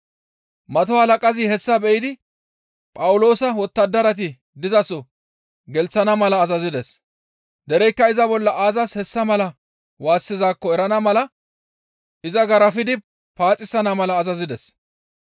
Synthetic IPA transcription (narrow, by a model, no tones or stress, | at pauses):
mɐt̪ɔhɐlɐkʼɐzɪhɛsːɐbɛjɪd̪ɪ | pʼɐwʊlo̞ːsɐwɔt̪ːɐd̪ːɐɾɐt̪̬ɪ | d̪ɪzɐsɔ | ɡɛlt͡sːɐnɐmɐlɐːzɐzɪd̪ɛs | d̪ɛɾɛjkːɐɪzɐbɔlːɐʔaːzɐshɛsːɐmɐlɐ | waːsːɪzaːkːɔɛɾɐnɐmɐlɐ | ɪzɐɡɐɾɐfɪd̪ɪ | paːt͡sʼɪsɐnɐmɐlɐːzɐzɪd̪ɛs